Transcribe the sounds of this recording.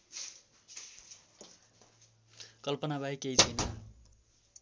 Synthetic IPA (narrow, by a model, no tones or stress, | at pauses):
kʌlpʌnabʱaikeit͡sʰʌjnʌ